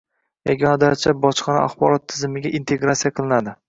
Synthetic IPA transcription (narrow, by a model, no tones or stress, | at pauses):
jaɡʲɒnad̪aɾt͡ʃʰabɒt͡ʃqʰɑna̰ʔa̰χbɒɾɒt̪ʰːɪzɪmɪɡʲaʔint̪ʰe̞ɡɾat̪sijaqʰɨlˠɪnad̪ɪ